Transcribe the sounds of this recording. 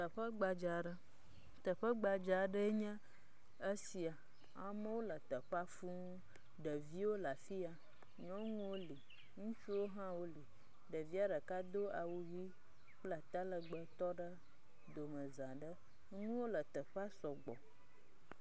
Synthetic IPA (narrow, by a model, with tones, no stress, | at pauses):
t̪ə˨ɸə˦ɡ͡ba˨d͡ʒa˨ɖə˦ | t̪ə˨ɸə˦ɡ͡ba˨d͡ʒa˨ɖə˦ɲə̃˦ | ə˦si˨a˨ | a˨mə˦wo˦lə˨t̪ə˨ɸa˦fu˦ŋ˦ | ɖə˨vi˦wo˦la˨fi˦a˨ | ɲɔ̃˦ŋũ˦wo˦li˨ | ŋũ˦t͡ʃu˦wo˦ɦã˦wo˦li˨ | ɖə˨vi˦a˦ɖə˨ka˦d̪o˦a˨wu˨vi˦ | k͡pla˨t̪a˦lə˨ɡ͡bə˨t̪ɔ˦ɖə˦ | d̪o˨mə̃˨zã˨ɖə˦ | ŋũ˦wo˦lə˨t̪ə˨ɸa˦sɔ˨ɡ͡bɔ̰˨